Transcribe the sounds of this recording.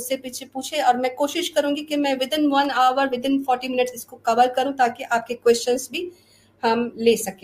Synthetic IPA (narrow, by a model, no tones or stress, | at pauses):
ʊsepiːt͡ʃʰepuːt͡ʃʰeɔːɾmɛ̃koːʃɪʃkɐɾũːŋɡikemɛ̃ːʋɪd̪ɪ̃nʋɐnaːʋəɾʋɪd̪ɪ̃nfɔːɾʈimɪnɪʈsɪskokɐʋəlkɐɾũt̪aːkeʔaːp̚kekwɛːst͡ʃənzbʱi | hɐmleːsɐkẽː